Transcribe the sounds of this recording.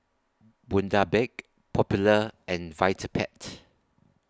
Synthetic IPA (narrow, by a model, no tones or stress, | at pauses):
bũndabɛk̚ | pʰɔpjuləɛ̃nvaɪtʰəpʰɛ̰t